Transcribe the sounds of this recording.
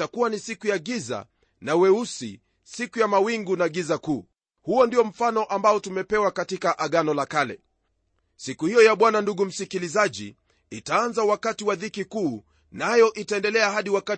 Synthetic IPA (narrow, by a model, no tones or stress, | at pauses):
akuwanisikujaɠiza̰ | nawɛusḭ | sikujamawiŋɡunaɠizakuː | huɔndijɔm̩fanɔʔambaɔtumɛpɛwakatikaʔaɠanɔlakalɛ̰ | sikuhijɔjaɓwananduɠum̩sikilizaʄḭ | itaanzawakatiwaðikikuː | najɔʔitaɛndɛlɛaɦaɗiwaka